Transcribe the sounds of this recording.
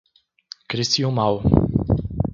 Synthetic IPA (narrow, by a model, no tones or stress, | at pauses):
kɾist̪iumaw